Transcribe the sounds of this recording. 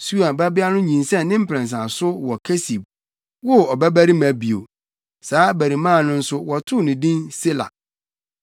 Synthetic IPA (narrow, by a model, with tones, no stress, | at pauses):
su˦a˨ba˦bɪ˦a˦nʊ̃˦ɲĩ˨nsɛ̃˦˨nnɪ̃˦m̩˦pʰɾɛ̃˨ns̬ã˨sʊ˦wɔ˨kʰɛ˦si˨b̚ | wɔ˦ɔ˨bæ˦bæ˦ɾi˦mæ̃˨bi˨o̰˨ | saː˨˦bæ˨ɾi˨mãː˦˨nʊ̃˦n̩˦sʊ˦wɔ˨tʰʊ˦˨nɪ̃˨dĩ˦nse˦la̰˨